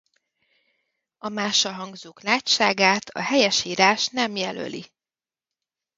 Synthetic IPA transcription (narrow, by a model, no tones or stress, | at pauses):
ɒmaːʃɒɦɒŋɡzoːklaːcʃaːɡaːt̪ʰɒ̰hɛjɛʃiːɾaːʃnɛmjɛlø̰lḭ